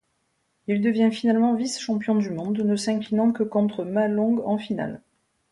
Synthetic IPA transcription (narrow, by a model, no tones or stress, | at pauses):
ild̪əvjɛ̃finalmɑ̃visʃɑ̃pjɔ̃d̪ymɔ̃d̪nəsɛ̃klinɑ̃kəkɔ̃t̪χəmalɔ̃ɡɑ̃fina̰l